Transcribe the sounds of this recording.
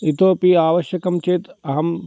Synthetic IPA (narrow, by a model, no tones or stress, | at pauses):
it̪oːpiaːʋɐʃjɐkɐmt͡ʃeːt̪ɐɦɐm